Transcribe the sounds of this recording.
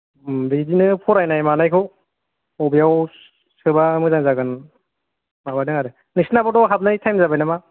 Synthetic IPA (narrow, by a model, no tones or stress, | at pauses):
mɾidinɯpʰɔɾajnajmanajkʰɔ | ɔbijaw | sɯbamɯzaŋzaɡɯn | mabanɯŋaɾɯ | nisnabɔdɔɦab̚najtʰajmzabajnama